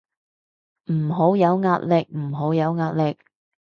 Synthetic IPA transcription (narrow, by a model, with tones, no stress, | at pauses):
m̩ː˨˩ɦo˨˥wjɐ˨˧wŋaː˧t̚lɪ˨k̚m̩˨˩ɦo˨˥wjɐ˨˧wŋaː˧t̚lɪ˨k̚